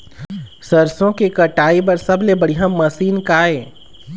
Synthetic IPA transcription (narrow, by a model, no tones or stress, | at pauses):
sɐɾsõkikɐʈaːip̬ɐɾsɐblebɐɽiɦãmɐsiːnkaːeː